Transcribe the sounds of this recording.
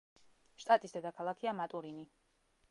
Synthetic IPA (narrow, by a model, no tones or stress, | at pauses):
ʃt̪ʼat̪ʼisd̪ɛd̪akʰalˠakʰiamat̪ʼuɾini